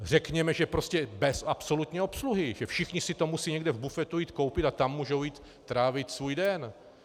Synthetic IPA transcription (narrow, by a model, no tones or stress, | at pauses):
r̝ɛkɲɛmɛʒɛpɾo̞scɛbɛsʔapso̞lut̪ɲɛo̞psluɦɪʒɛfʃɪxɲɪsɪt̪o̞musiːɲɛɡdɛvbufɛt̪ujiːt̪ko̞wpɪt̪at̪amːuːʒowjiːt̪ːɾaːvɪt̪svuːjdɛn